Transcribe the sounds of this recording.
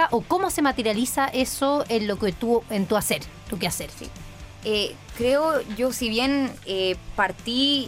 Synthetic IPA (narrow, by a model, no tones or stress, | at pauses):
aʔoko̞mo̞se̞mat̪eɾjalisaʔe̞soenloket̪uent̪uaseɾt̪ukeaseɾsḭ | ekɾeoʝo̞siβje̞nepaɾt̪i